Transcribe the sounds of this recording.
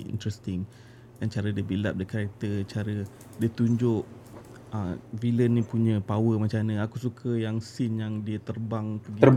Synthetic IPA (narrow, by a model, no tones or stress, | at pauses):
ḭnt̪ɾɛst̪ɪŋ | dant͡ʃaɾədiəbilap̚dakaɾak̚t̪ət͡ʃaɾə | dit̪uɲd͡ʒʊʔ | əvilənːĩpuɲãpawəmat͡ʃanəakusukʰəjaŋsɪnjaŋdiət̪ərbaŋkəɡə